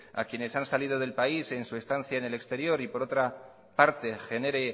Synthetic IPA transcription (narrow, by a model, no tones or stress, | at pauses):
a̰kjene̞sansalið̞o̞ðe̞lpaise̞nsue̞st̪anθjaene̞le̞kst̪e̞ɾjo̞ɾipo̞ɾo̞t̪ɾa | paɾt̪e̞xe̞ne̞ɾe̞